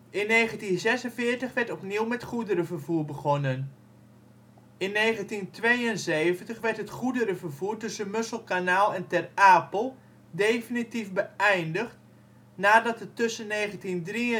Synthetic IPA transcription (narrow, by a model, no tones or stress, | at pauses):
ʔɪnːeːχəntinzɛsənfɪːɹtəχʋɛɹtɔpniwmɛtχudəɾəvərvuːɹbəɣɔnən | ɪnːeːχəntintʋejənzeːvəntəχʋɛɹtətχudəɾəvərvuːrtɵsənmøslˠkanaːlˠɛntɛraːpəlˠ | deːfinitifbəɛjndəχt | naːdɑtətːɵsənːeːχəntindriə